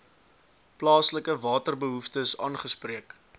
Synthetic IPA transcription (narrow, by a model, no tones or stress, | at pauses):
plɑːsləkəvɑːtərbəɦuftəsɑːnχəspriək